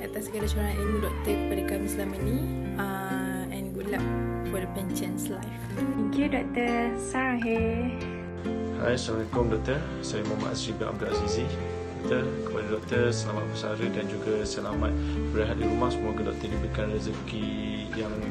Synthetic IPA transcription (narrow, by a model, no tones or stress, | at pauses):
at̪asəɡalasuɾaŋaninudɔk̚t̪əkəpadəkamislaməni | ɛ̃nɡulaʔ | wɔdəpɛnt͡ʃənslajf | kidɔk̚t̪əsaɦe | ha̰jsaməkɔŋdɔk̚t̪ə | sajimama̰ʔasɾibɛnʔa̰b̚dulasizi | dɔ̰k̚t̪ərkə̥padədɔk̚t̪ərsəlamat̪̚pəsa̰ɾədand͡ʒuɡəsəlamat̪̚bəɾaɦat̪̚diɾumahsəmɔɡədɔ̰k̚t̪əʔdibəɾikanrɛzəki | jaŋ